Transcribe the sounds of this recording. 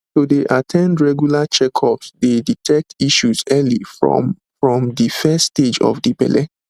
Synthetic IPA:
todeʔatʰɛ̃ndɹɛɡjulat͡ʃɛkʰɔpsdeditʰɛk̚tiʃusɛliɹɔ̰ | fɹɔ̃mdifɛsted͡ʒɔ̰fdibɛ̰lɛ

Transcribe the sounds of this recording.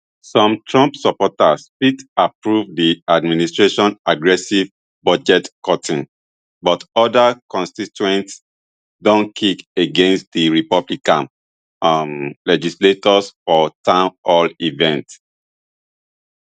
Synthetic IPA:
sɔ̃mtʰɹɔ̃mpsɔpɔtaspitapɹuvdiadministɹeʃɔ̃naɡɹɛsiv | bɔd͡ʒɛtkɔtĩn | bɔtɔdakɔ̃nstituɛ̃nts | dɔ̃nkʰikeɡẽnst̚diɹipɔblikãn | ãnlɛd͡ʒisletɔsfɔtãɔlivɛ̃nt

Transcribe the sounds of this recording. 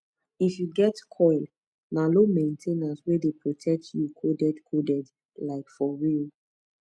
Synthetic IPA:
ifjuɡɛtkʰɔɪl | nalomẽntʰenaswedepɹotʰɛk̚tʰjukʰodɛdkʰodɛd | laɪkfɔɹil

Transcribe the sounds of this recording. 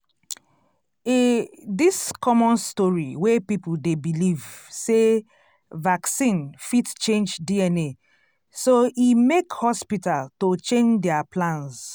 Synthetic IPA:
ediskɔmɔ̃nstɔɹiwepipudebilivse | vaksĩnfitt͡ʃẽnd͡ʒdiɛne | soimekhɔspitaltot͡ʃẽnd͡ʒdɛaplãns

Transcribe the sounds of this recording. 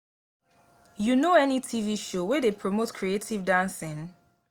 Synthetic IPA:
junoɛnitʰiviʃowɛdepʰɹɔmotkʰɹietʰivdãnsĩn

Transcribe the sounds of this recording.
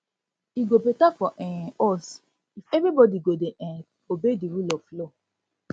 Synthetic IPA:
iɡopetakɔʔɛ̃ɔs | ifɛvɾibɔdiɡodeʔɛ̃ | obediɾulɔflo

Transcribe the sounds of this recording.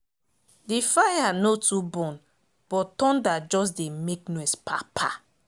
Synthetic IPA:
difajanotubɔ̃n | b̥ɔtɔ̃ndad͡ʒɔs̬demeknoɛspʰapʰa

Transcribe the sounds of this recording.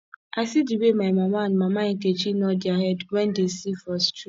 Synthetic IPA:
asid͡ʒibemamaman̩mamaŋ̩ket͡ʃinɔdjaɦɛdwɛn̩desifɔst͡ʃu

